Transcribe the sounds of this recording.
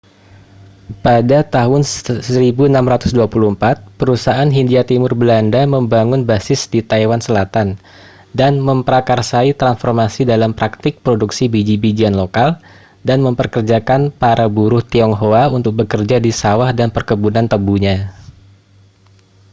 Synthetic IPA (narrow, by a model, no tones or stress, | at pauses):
padat̪aɦʊnsəɾibuənamɾat̪ʊsduapulumpat̪̚pəɾusaʔanɦindiat̪imʊrbəlandaməmbaŋʊnbasɪsdit̪aiwansəlat̪an | danməmpəɾakarsait̪ɾansfɔrmasidalampɾak̚t̪ɪk̚pɾoduksibid͡ʒibid͡ʒianlokal | danməmpərkərd͡ʒakanpaɾabuɾʊht̪iɔŋɦoaunt̪ʊk̚bəkərd͡ʒadisawahdanpərkəbunant̪əbuɲa